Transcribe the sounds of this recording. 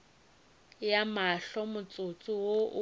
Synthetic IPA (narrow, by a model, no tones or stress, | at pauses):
jamaɬɔmʊt͡sʼʊt͡sʼʊwoʔʊ